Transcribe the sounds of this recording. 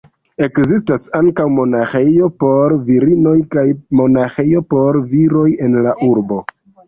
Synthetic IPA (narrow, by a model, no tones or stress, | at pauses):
e̞kzis̬tasaŋkawmo̞naxe̞jo̞po̞ɾviɾino̞jkajmo̞naxe̞jo̞po̞ɾviɾo̞je̞nlaʔuɾbo̞